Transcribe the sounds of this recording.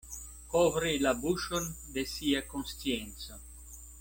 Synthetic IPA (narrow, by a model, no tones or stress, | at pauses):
kovɾelabuʃond̪esiakonst̪jɛnt̪sa